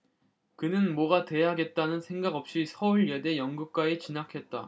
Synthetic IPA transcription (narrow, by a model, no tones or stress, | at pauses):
kɯnɯnmʌɡate̞ɦaɡe̞t̚t͈anɯnsʰe̞ŋɡaɡʌp̚ɕ͈isʰʌuɭɡede̞jʌŋɡuk̚k͈waet͡ɕinakʰe̞t̚t͈a̰